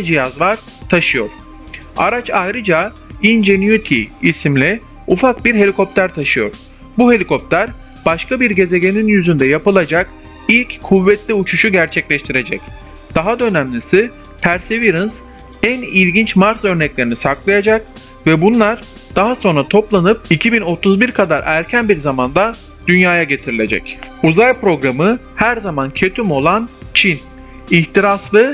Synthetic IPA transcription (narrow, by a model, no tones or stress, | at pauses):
ad͡ʒijazvˠaɾ | t̪ʰaʃɯjo̞ɾ̥ | a̰ɾat͡ʃajɾɯd͡ʒa | ind͡ʒenjut̪ʰiːsimlʲi | ufakbiɾɦe̞lʲikʰo̞p̚t̪ʰæɾt̪ʰaʃɯjo̞̰ɾ̥ | buɦe̞lʲiko̞p̚t̪ʰæɾ | b̥aʃkabiɾɟe̞ze̞ɟʲe̞ninjyzynd̪ɛjapɯlˠad͡ʒak | ilʲckʰːuvːɛt̪lʲiut͡ʃʰuʃuɟæɾt͡ʃʰɛclʲɛʃt̪ʰiɾe̞d͡ʒɛ̰c | d̪̥aɦad̪ø̞næmlʲisi | pʰæɾseviɾɯns | ænilʲɟint͡ʃmaɾt̪ø̞ɾnɛclʲe̞ɾinisaklˠajad͡ʒak̚ | vɛbunlˠaɾ | d̪̥aɦaso̞nɾat̪ʰo̞plˠanɯp̚icʰibino̞t̪ʰuzbiɾkʰad̪aɾʔæɾcʰænbiɾzamand̪a | d̪̥ynjaːjaɟe̞t̪ʰiɾilʲe̞d͡ʒɛ̰cuzajpɾo̞ɡɾamɯ | hæɾzamancʰø̞t̪ʰymo̞lˠant͡ʃʰin | içt̪iɾaslˠɯ